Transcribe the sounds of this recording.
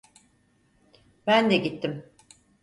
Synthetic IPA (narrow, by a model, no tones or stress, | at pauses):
bænd̪ɛɟit̪ʰːim